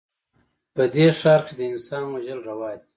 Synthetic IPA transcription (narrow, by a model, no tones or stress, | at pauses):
pəd̪eʂɑːɾked̪əɪnsɑːnwaʒəlɾawɑːd̪i̥